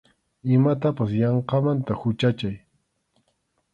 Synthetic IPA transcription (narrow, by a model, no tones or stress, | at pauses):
ɪmat̪apasjɑɴqɑmant̪ahʊt͡ʃat͡ʃaj